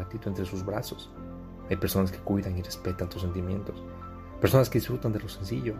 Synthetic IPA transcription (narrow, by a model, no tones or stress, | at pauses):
at̪it̪uent̪ɾe̞suzβɾaso̞̥s | ajpe̞ɾso̞naskekwiðaŋire̞spe̞t̪ant̪u̥s̬e̞nt̪imjẽ̞̰nt̪o̞s | peɾso̞naske̞ðisfɾut̪and̪elo̞se̞nsiʝo̞